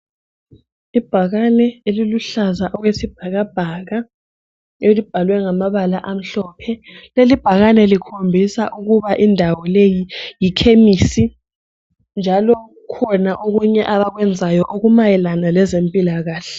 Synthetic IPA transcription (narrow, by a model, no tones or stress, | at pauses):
ib̥ʱaɣanɛeliluɬazaʔɔɣwesib̥̚ʱaɣab̥ʱaɣa | elib̥ʱalwɛŋamaβalaʔam̩ɬɔpʰɛlelib̥ʱaɣanɛlikʰombʱisa̰ʔuɣuβaʔindʱawɔlejijikʰemisi | nd͡ʒʱalɔ | kʰɔnaʔoɣuɲɛʔaβaɣwɛnd͡zʱajɔʔoɣumajɛlanalɛzempʼilaɣaːɬɛ